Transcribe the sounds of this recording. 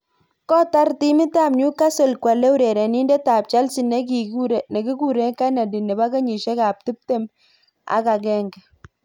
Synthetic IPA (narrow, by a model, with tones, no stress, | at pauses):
kɔ˦ta˦ɾti˦mɪ˦ta˦˨mɲu˦ka˦se˨lkwa˨le˦u˦ɾe˨ɾe˨ni˦nde˦ta˨p̚t͡ʃa˦lsi˨ne˦k̬i˨ku˦ɾne˨ki˦ku˦˨ɾe˦ka˦na˨di˨ne˨ba˦ke˦ɲi˨ʃe˦ka˨p̚ti˦p̚te˦m | a̰˦ka˨kɛ˦ŋɡɛ˨